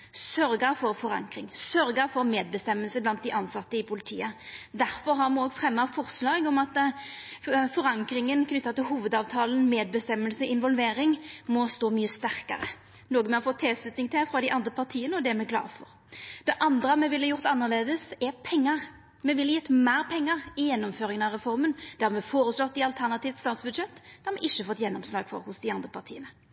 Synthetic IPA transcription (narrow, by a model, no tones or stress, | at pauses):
sœɾɡəfɔɾfɔɾɑ̰ŋkɾɪŋsœɾɡəfɔʁmeːd̪̚bəst̪ɛmːəlsəblɑnt̪̚d̪ɪʔɑnsɑt̪ːəɪpʰʊlɪt̪ʰḭːəd̪æɾfɔɾɦɑʁmɛoːɡfɾɛmːɑfɔʁslɑːɡɔmɑt̪ | fɔɾɑŋkɾɪŋənkʰnʏt̪ːɑt̪ɪlɦuːʋəd̪ɑːʋt̪ʰɑːlən̩meːd̪̚bəst̪ɛmːəlsəɔɪnʋɔlʋeːɾɪŋmɔst̪oːmyːəst̪æɾkə̰ɾə̰ | noːɡəmɛɔfɔt̪ʰːɛlslʉt̪nɪŋt̪ʰɪfɾɑd̪ɪʔɑnd̪ɾəpʰɑɾt̪ʰiːənəɔd̪ɛmɛkʰlɑ̰ːʁfɔ̰ɾ | d̪̥ɛʔɑnd̪ɾəɑmɛʋɪlːəjʊɾt̪ɑnːəʁleːd̪əsɛɾpʰɛŋːəɾ | mɛʋɪljɛt̪ːmæːɾpʰɛŋːəʁɪjɛnːɔmføːɾɪŋənɑʁɛfɔɾmənd̪̥æɑʁmɛfoːɾəslɔt̪ːɪɑlt̪ʰæɾnɑt̪iːʋt̪st̪ɑːt̪sbʉd̪ʃɛt̪ːd̪ɛɑmɛʔɪʃːəfɔt̪ːjɛnːɔmslɑːɡfɔ̰ɾhʊsd̪ɪɑnd̪ɾəpʰɑʁt̪ʰḭːənə